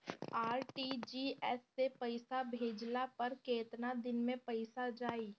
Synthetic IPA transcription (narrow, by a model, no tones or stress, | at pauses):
aːɾʈid͡ʒiːɛsːepəɪsabʱeːd͡ʒlapɐɾkeːt̪nad̪ɪnmẽpəɪsad͡ʒaːiː